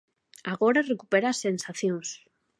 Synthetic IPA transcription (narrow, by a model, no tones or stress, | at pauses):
aɣoɾarekupeɾasːensaθjoŋs